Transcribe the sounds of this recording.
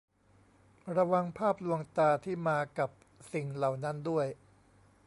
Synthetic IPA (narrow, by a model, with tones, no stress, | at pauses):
ɾa˧wa˧ŋpʰaː˥˩p̚lu˧əŋt̪aː˧t̪ʰiː˥˩maː˧ka˨˩p̚ | si˨˩ŋla˨˩wna˦˥ndu˥˩əj